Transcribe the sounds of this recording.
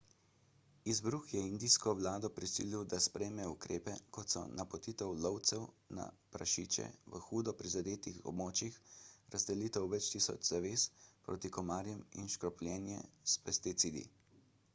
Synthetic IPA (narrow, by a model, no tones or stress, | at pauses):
izbɾuxjɛind̪iskɔʋlaːd̪ɔpɾisḭːliwd̪aspɾɛjmɛukɾeːpɛkɔt̪sɔ̰napɔt̪iːt̪ɛwlɔwt̪sɛw | na̰pɾaʃiːt͡ʃɛ̰ʋəxuːd̪ɔpɾizad̪eːt̪ixɔ̰bmoːt͡ʃixɾazd̪ɛliːt̪ɛwʋɛt͡ʃt̪iːsɔ̰t͡ʃzaʋeːspɾo̰ːt̪ikɔmaːɾjɛmḭnʃkɾɔplʲjɛːnjɛ̰spɛst̪it̪siːd̪ḭ